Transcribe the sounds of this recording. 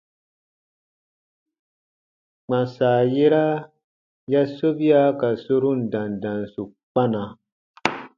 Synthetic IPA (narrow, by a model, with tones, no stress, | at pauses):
k͡pã˨saː˨je˦ɾa˦ | ja˦so˦bi˦a˦ka˨so˦ɾu˦n̩˨dã˨ndã˨nsu˨ | k͡pa˦na˨